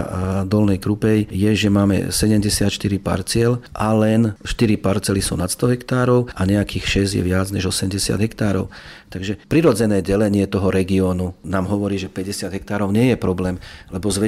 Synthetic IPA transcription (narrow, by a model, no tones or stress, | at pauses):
d̪ɔlnɛjkɾupɛjjɛʒɛmaːmɛ̰sɛɟɛmɟɛsɪat̪ʃt̪iɾipa̰ɾt͡sɪɛlʔalɛnʃt̪iɾipaɾt͡sɛlisṵːnat̪st̪ɔɦɛkt̪aːɾɔʊaɲɛakiːxʃɛzjɛ̰ʋɪad͡zɲɛʒɔsɛmɟɛsɪa̰d̪ɦɛkt̪aːɾɔʊt̪aɡʒɛpɾiɾɔd͡zɛnɛːɟɛlɛɲɪɛt̪ɔɦɔɾɛɡiɔːnunaːmɦɔʋɔɾiːʒɛpɛɟɛsɪad̪ɦɛkt̪aːɾɔʊɲɪɛjɛpɾɔblɛːmlɛbɔzʋɛ